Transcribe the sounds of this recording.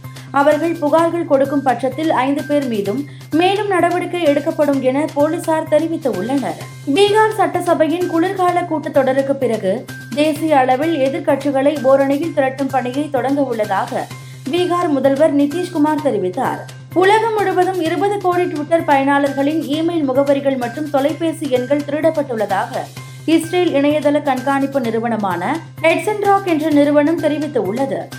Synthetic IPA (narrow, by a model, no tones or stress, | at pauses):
ɐʋɐɾɣɐɭpʊɣaːɾɣɐɭkɔɽɯkːɯmpɐʈʂɐt̪ːɪlɐɪnd̪ɯpeːɾmiːðɯmː | eːlɯmnɐɽɐʋɐɽɯkːɐɪɛɽɯkːɐpːɐɽɯmɛnɐpoːlɪsaːɾt̪ɛɾɪʋɪt̪ːɐʊɭːɐnɐ̰ɾ | ʋiːɣaːɾsɐʈːɐsɐbɐjɪnkʊɭɪɾɣaːlɐkːuːʈːɐt̪ːɔɽɐɾɯkːɯpːɪɾɐɣɯ | d̪eːsɪjɐːɭɐʋɪlɛðɪɾkɐʈʂɯɣɐɭɐɪoːɾɐɳɪjɪnt̪ɪɾɐʈːɯmpɐɳɪjɐɪt̪ɔɽɐŋɡɐɯɭːɐðaːɣɐ̰ | ʋiːɣaːɾmʊðɐlʋɐɾnɪt̪ːiːʂkʊmaːɾt̪ɛɾɪʋɪt̪ːa̰ːɾ | ʊlɐɣɐmʊɽɯbɐðɯmɪɾɯbɐðɯkoːɽɪʈʋɪʈːɐɾpɐjɐnaːlɐɾɣɐɭɪniːmɐɪlmʊɣɐʋɐɾɪɣɐɭmɐʈrɯmt̪ɔlɐɪpeːsɯɛnɡɐɭt̪ɪɾɪɽɐpːɐʈːɯɭːɐðaːɣɐ | ɪsɾeːlɪɳɐjɐðɐlɐkːɐnkaːɳɪpːɯnɪɾɯʋɐnɐmaːnɐ | ɛʈsɐnɾoːkɛndrɐnɪɾɯʋɐnɐmt̪ɛɾɪʋɪt̪ːɯʊɭːɐðɯ̰